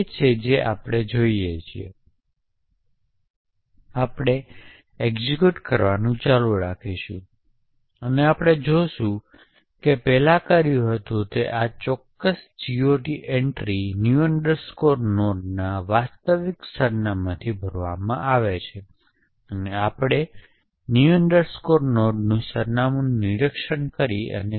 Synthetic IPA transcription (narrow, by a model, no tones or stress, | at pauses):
et͡ʃʰed͡ʒeʔa̰pɽ̃ed͡ʒoiet͡ʃʰiḛ | apɽ̃e | eɡzikjuʈkəɾʋanũt͡ʃalũɾakʰiʃṵ̃ | əneapɽ̃ed͡ʒoʃũ | kepɛlakəɾjũɦət̪ũt̪eʔat͡ʃɔkːəsd͡ʒioʈiʔɛɳʈɾinjuəɳɖəɾskoɾnoɖnaʋast̪əʋiksəɾnamãt̪ʰibʱəɾʋa̰mã̰ʔaʋet͡ʃʰe | əneapɽ̃e | njuəɳɖəɾskoɾnoɖnũsəɾnamuniɾəkʃənkəɾiə̰ne